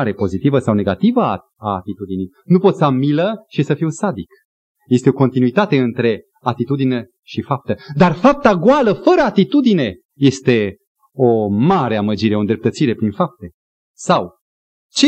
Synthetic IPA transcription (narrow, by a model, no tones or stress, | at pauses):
ɾe̞po̞zit̪ivəsawne̞ɡat̪ivə | aːt̪it̪ud̪inij | nupo̞t̪samiləʃisəfiwsad̪ik | je̞st̪eo̞ko̞nt̪inuit̪at̪e̞ɨnt̪ɾe̞ | at̪it̪ud̪ine | ʃifap̚t̪əd̪arfap̚t̪aɡwaləfəɾəat̪it̪ud̪ine̞ | je̞st̪e̞ | o̞maɾe̞aməd͡ʒiɾeo̞nd̪ɾe̞p̚t̪ət̪siɾe̞pɾinfap̚t̪e | saw | t͡ʃe